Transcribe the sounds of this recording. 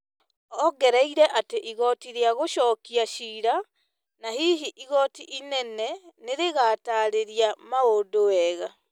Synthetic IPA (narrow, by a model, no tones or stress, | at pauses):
ɔɡɛɾaiɾɛʔateʔiɣɔtiɾeaɣoʃɔːkiaʃiːɾa | nahiɦiʔiɣɔtiʔinɛnɛneɾeɣataɾeɾiamaodowɛɣa